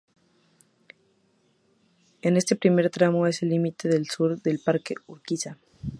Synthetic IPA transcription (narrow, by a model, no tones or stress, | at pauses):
enest̪e̞pɾime̞ɾt̪ɾamo̞e̞selːimit̪eðe̞lsuɾðe̞lpaɾkeuɾkisa